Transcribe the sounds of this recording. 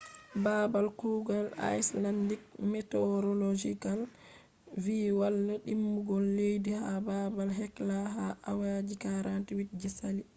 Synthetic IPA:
babalkuːɡala̰jslandik̚mɛtɛɾɔlod͡ʒikal | viːwalːaɗimːuɡɔlːejdihababalɦɛklaɦaʔawad͡ʒikaɾantiwit̚d͡ʒɛsali

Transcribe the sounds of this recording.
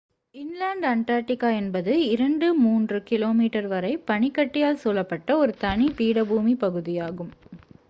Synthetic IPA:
ɪnlaːɳɖɐɳʈ̪aːɾʈɪkːaːɛnbɐðɯɪɾɐɳɖɯmuːndrɯkɪloːmiːʈɐɾʋɐɾɐɪpɐɳɪkːɐʈːɪjaːlsoːlːɐpːɐʈːɐɔɾɯt̪ɐɳipiːɽɐbuːmipɐɣɯðɪjaːɣɯm

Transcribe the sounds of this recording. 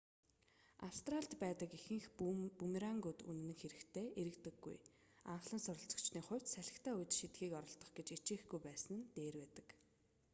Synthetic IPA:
a̰wst̪raɬt̪pæːt̪ə̆kixɘ̆ŋxpumɾaŋɡut̪ṵn̆ːɘ̆ŋxeɾɘ̆kt̪ʰeːʔeɾɘ̆kt̪ɘ̆ɡːṵj | a̰wɮə̆nsʊɾɞ̆ɬt͡sɞ̆kt͡ɕniːχʊ̟w̥ʲt̪sæɮʲɪ̆xt̪ʰæːujt̪ʃit̪̚ɡiːkɔɾɞ̆ɮt̪ɞ̆χɡet͡ɕit͡ɕĭːxɡujpæːsə̆nt̪eːrwæːt̪ə̥̆k

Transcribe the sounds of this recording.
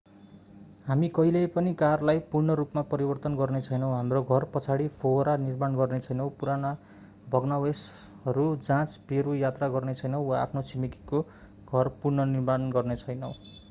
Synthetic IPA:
ɦamikʌilepʌnikarlajpurɳʌɾupmapʌɾibʌrt̪ʌnɡʌrnet͡sʰʌjnʌ̃w̃ɦamroɡʱʌrpʌt͡sʰaɽipʰoɾanirmanɡʌrnet͡sʰʌjnʌw̃puɾana | bʱʌɡnawes | ʌɾud͡zãt͡speɾujat̪raɡʌrnet͡sʰʌjnʌw̃wa̰ːpʰnot͡sʰimikiko | ɡʱʌrpurnʌnirmanɡʌrnet͡sʰʌjnʌw̃

